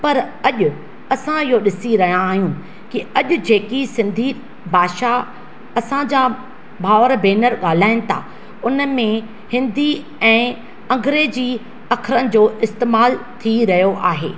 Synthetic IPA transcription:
pɐɾɐʄʊ | ɐsãɪɦoɗɪsiɾɐɦijãːɦijũ | kiɐʄʊd͡ʑeːkisɪ̃nd̪ʱi | bʱaːʃa | ɐsãd͡ʑa | bʱaːʋəɾbeːnəɾɠaːl̤aːɪnɪ̆t̪ʰa̰ | ʊnmẽ | hɪ̃nd̪ʱi | ɛ̃ː | ɐ̃ŋɡɾeːd͡ʑi | ɐkʰɾənɪ̆d͡ʑoːʔɪst̪eːmaːlt̪ʰiɾɐɦijoʔaːɦeː

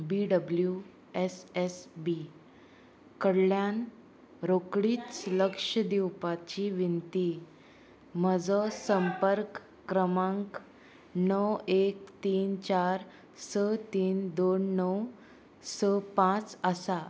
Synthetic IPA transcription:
biɖəblju | esesbi | kəɽljan | ɾokɽiːt͡ssləkʂəd̪iwpat͡ɕiʋint̪i | m̤əd͡zɔsəmpəɾkː | ɾəmãŋk | nəwek̚t̪iːnt͡ɕaɾ | sət̪iːnd̪onːəw | səpãt͡səsa

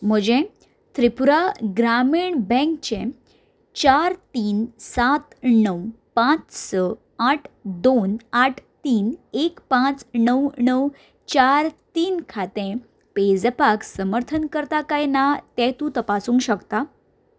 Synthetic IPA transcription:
m̤əd͡ʑẽ | t̪ʰɾipuɾaɡɾamiɳbɛ̃ŋkt͡ɕẽ | t͡ɕaɾt̪iːnsat̪nəwpãt͡ssə | aʈʰd̪onaʈʰt̪iːnekpãt͡snəwnəw | t͡ɕaɾt̪iːnkʰat̪ẽ | ped͡zpaksəməɾt̪ʰənkəɾt̪akajnat̪ɛ̃t̪ũt̪əpasuːŋkɕəkt̪a

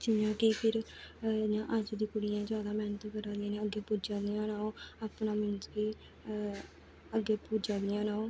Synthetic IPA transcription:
t͡ʃɪmjãːkipʰɪɾ | jãːʔəd͡ʒd̪iːkʊɽɪjãːd͡ʒaːd̪aːmɛːnət̪ːkəɾãːd̪iãːnẽːəɡːeːpuːd͡ʒãːd̪ɪãːnaːoːaːpnaːmɪnzkiː | əɡeːpud͡ʒaːd̪ɪjãːnaːoː

